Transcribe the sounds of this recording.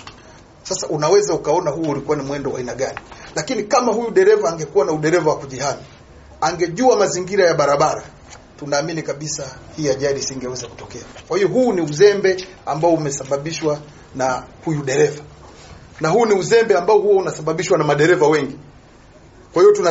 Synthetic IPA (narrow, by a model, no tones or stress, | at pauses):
sasaʔunawɛzaukaɔnahuulikuanimwɛndɔwa̰inaɠanilakinikamahujuɗɛɾɛvaːŋɡɛkuwanauɗɛɾɛvawakuʄihani | aŋɡɛʄuamaziŋɡiɾajaɓaɾaɓaɾa | tunaːminikaɓisahiːaʄaɗisiŋɡɛwɛzaku̥tɔkɛakwahiɔɦuːniuzɛmbɛ | ambaɔumɛsaɓaɓiʃwa | nahujuɗɛɾɛva | nahuːniuzɛmbɛambaɔhuwaunasaɓaɓiʃwanamaɗɛɾɛvawɛŋɡi | kwahiɔtuna